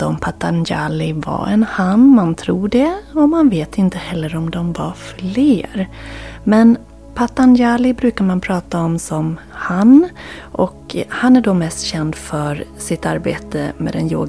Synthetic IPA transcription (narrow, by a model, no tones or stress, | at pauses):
ɔmpʰat̪ːanja̰lɪva̰ɛ̰nhanːmant̪ʰɾuːɖɛɔmanveːt̪ɪnt̪əhɛlːəɾɔmd̪ɔmvafleːɾmɛn | pʰat̪ːanjaːlɪbɾʉ̟ːkaɾmanpʰɾɑːt̪aɔmsɔm | hanʔɔkhanæɖɔmɛst̪ɕɛnd̪fœɾsɪt̪ːa̰ɾbḛːt̪ə̰mɛ̰d̪ɛnjo̰ːɡ